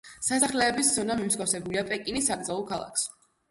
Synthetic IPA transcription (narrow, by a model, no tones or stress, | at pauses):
sasaχlɛːbisd̪zɔnamimusɡʼafsɛbuliapʼɛkʼinisaɡɾd̪zalˠɔkʰalˠa̰kʰs